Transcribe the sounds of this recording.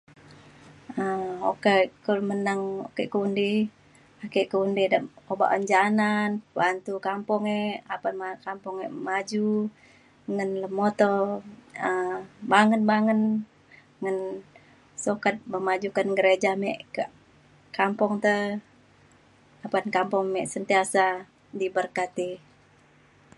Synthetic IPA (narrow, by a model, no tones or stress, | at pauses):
əokekəmənaŋo̰kɛʔkəundi | akeʔkəundidaʔoba̰ʔənd͡ʒananbant̪ukampɔŋeapanmakampɔŋeʔmad͡ʒu | ŋənləmːot̪o | əbaŋənbaŋən | ŋən | sokat̪̚məmad͡ʒukanɡəɾed͡ʒamɛʔk | kampɔŋt̪ə | apankampɔŋmɛʔsənt̪iasa | dibərkat̪i